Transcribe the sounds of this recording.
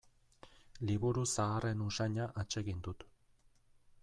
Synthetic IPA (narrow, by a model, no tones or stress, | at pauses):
liβuɾusaːre̞nusaɲaʔat͡ʃe̞ɣind̪ut̪